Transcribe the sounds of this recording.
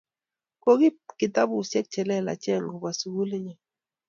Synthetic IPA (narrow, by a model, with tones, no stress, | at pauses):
ko˦ɡi˦kɪ˨ta˦bʊ˦˨sjɛ˦k̚t͡ʃɛ˨lɛ˦˨la̰˨t͡ʃɛ˦˨ŋɡo˨ba˨su˨wu˦le˦ɲɛ˨